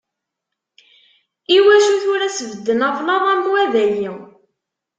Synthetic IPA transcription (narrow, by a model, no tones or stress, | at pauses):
iwæʃuθʊɾæsəvəd̪ːənɑvlɑðˤɑmwæðæjiw